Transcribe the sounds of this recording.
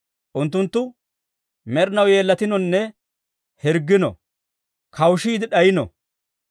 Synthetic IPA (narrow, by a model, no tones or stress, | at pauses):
ʔʊnt̪ːʊnt̪ːʊ | mɛɾnɐwje̞ːlːɐt̪ɪnɔnːɛ | hɛɾɡːɪnɔ̰ | kʰɐwʃiːd̪ɪɗɐjɪnɔ̰